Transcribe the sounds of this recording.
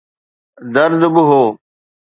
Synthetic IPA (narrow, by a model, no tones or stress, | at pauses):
d̪əɾd̪bʊɦoː